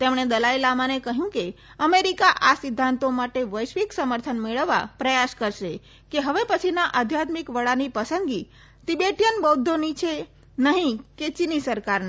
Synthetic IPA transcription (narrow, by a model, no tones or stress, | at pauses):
t̪emɳed̪əlailamanekəɦjũke | əmeɾikaʔasɪd̪ʱːãnt̪omaʈeʋəjʃʋiksəməɾt̪ʰənmeɭəʋːa̰pɾəjaskəɾʃe | keɦəʋepət͡ʃʰinaʔad̪ʱjat̪mikʋəɭanipəsəŋɡi | t̪ibeʈijənbɔd̪ʱːonit͡ʃʰe | nəɦĩket͡ʃinisəɾkaɾn